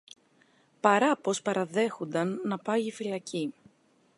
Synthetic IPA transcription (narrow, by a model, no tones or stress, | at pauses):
pɐɾɐpo̞spɐɾɐðe̞xond̪ɐnːɐpɐjifilɐci